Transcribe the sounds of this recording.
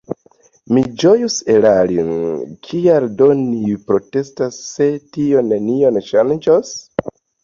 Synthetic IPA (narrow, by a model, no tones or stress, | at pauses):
mid͡ʒo̞juselalinkʰialdonipɾo̞te̞stasːe̞tio̞nenio̞nʃand͡ʒos